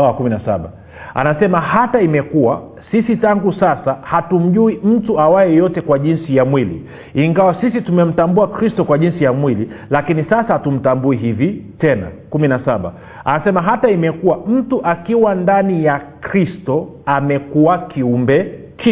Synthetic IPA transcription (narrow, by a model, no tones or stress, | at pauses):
kuminasa̰ɓa̰ | a̰nasɛmahataimɛkuwa | sisitaŋɡusasahatum̩ʄuim̩tuawajɛjɔtɛkwaʄinsijamwilḭ | iŋɡawasisitumɛm̩tambuakɾistɔkwaʄinsijamwililakinisasaatum̩tambuiɦivitɛna̰kuminasaɓa̰ | a̰nasɛmaɦataimɛkuwam̩tuʔakiwandanijakɾistɔamɛkuakiumbɛ | ki